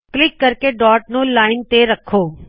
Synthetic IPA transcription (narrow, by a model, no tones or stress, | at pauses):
klɪkːəɾkeɖɔːʈ̚nolaːɪnt̪eɾəkʰoː